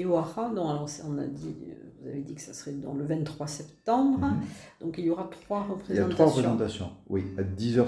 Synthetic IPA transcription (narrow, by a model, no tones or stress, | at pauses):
oaʁad̪ɔ̃alɔʁsɛɔ̃na̰d̪ḭvuza̰ved̪ikə̥sasə̥ʁɛd̪ɑ̰̃ləvɛ̃nːχwasɛpt̪ɑ̃bʁd̪̥ɔ̃kiljoʁat̪χwaʁəpχezaɑ̃t̪t̪waaʁəspχezɑ̃t̪asjɔ̃wiad̪izœ